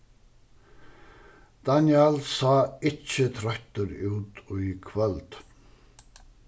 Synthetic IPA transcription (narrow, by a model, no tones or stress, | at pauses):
d̪̥anjalsɑːɪt͡ʃːət̪ʰɾœht̪əɾʉːt̪ɔikʰvœld̪̥